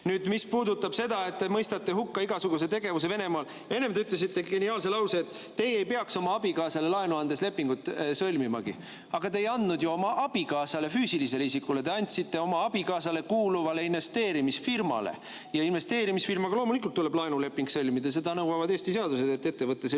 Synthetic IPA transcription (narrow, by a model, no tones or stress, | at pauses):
nyːd̪mispuːd̪ut̪ːɑb̥se̞d̪ɑe̞t̪ːe̞mɤjst̪ɑt̪ːeɦukːɑiɡ̥ɑsuɡ̥us̬e̞t̪e̞ɡe̞vus̬e̞ve̞ne̞mɑːl | e̞nːe̞md̪eyt̪les̬it̪ːe̞ɡe̞niɑːlselɑwseːt̪ˑːe̞jejpe̞ɑkso̞mɑɑb̥ikɑːsɑle̞lɑenuɑnd̪̥e̞sle̞pːiŋɡut̪ːˑsɤlʲmimɑ̰ɡ̥i | ɑɡ̥ɑt̪e̞jɑnd̪nud̪̥juo̞mɑʔɑb̥ikɑːsɑle̞fyːsilise̞leis̬ikːulet̪e̞ɑnʲt̪sit̪ːe̞o̞mɑɑb̥ikɑːsɑle̞kuːluvɑle̞inve̞st̪e̞ːɾimisfirmɑ̰lḛ | jɑinve̞st̪e̞ːɾimisfirmɑɡ̥ɑlo̞ːmulikˑult̪ːule̞b̥lɑenule̞pːˑiŋɡsɤlʲmid̪̥ɑs̬e̞d̪ɑnɤwvɑvɑd̪e̞ːst̪ise̞ɑd̪use̞d̪et̪ːe̞t̪ːe̞vɤt̪ːˑes